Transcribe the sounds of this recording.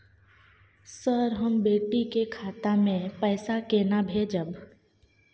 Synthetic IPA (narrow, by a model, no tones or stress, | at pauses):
səɾɦəmbeːʈikekʰaːt̪amẽpɛːsakenabʱeːd͡ʒəb